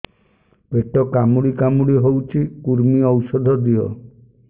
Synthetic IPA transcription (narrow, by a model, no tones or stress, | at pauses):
beʈɔkamuɽikamuɽiɦowt͡ʃʰikuɾmiɔwsɔd̪ʱɔd̪iɔ